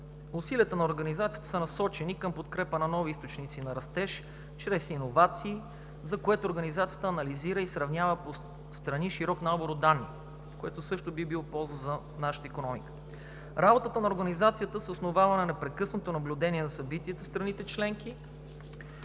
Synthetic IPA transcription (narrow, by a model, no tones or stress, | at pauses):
ʊsiliət̪ənɐoɾɡɐnizat̪sijət̪ə̥sənɐsɔt͡ʃɛnikəmpot̪kɾɛpənɐnɔviist̪ot͡ʃnit̪sinɐɾɐst̪ɛʃ | t͡ʃɾɛsinovat̪siː | zɐkoɛt̪oːɾɡɐnizat̪sijət̪əːnɐliziɾəisɾɐvnʲavəpo | st̪ɾɐniʃiɾɔknaboɾod̪anːi | koɛt̪osɤʃt̪obibilˠopɔlˠzəzɐ | naʃə̥t̪əikonɔmḭkə̥ | ɾabot̪ət̪ənɐoɾɡɐnizat̪sijət̪əsosnovavɐnɛnɐpɾɛkɤsnot̪onɐblʲud̪ɛniɛnɐsɐbit̪iɛt̪əfst̪ɾɐnit̪ɛt͡ʃlɛŋki